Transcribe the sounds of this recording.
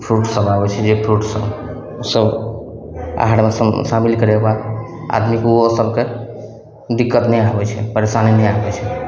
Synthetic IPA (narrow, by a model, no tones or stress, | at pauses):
pʰɾuʈsəbabɛt͡ʃʰɛd͡ʒepʰɾuʈsəb | osəb | a̰ɦaɽmessamilkəɾɛbad | a̰d̪mikeosəbke | d̪ikːət̪nəjabɛt͡ʃʰɛ̰pəɾesanenəjabɛt͡ʃʰɛ